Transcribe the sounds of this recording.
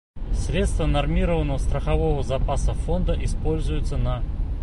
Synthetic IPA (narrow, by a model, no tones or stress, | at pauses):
sɾʲe̞t̪st̪vənɐrmʲiɾəvənːəvəst̪ɾəxɐvo̞vəzɐpasəfo̞nd̪əʔɪspo̞lʲzʊjʊt̪sənɐ